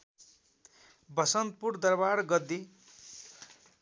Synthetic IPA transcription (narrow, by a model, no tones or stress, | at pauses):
bʌsʌnt̪̚puɾd̪ʌrbarɡʌd̪i